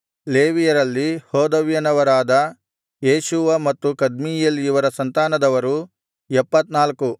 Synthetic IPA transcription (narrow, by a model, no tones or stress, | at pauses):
le̞ːʋijɐɾɐlːihɔːd̪ɐʋjɐnɐʋɐɾaːd̪ɐ | jeːʃuʋɐmɐt̪ːukɐd̪miːjelijuʋɐɾɐsɐnt̪aːnɐd̪ɐʋɐɾu | ɛpːɐt̪naːlku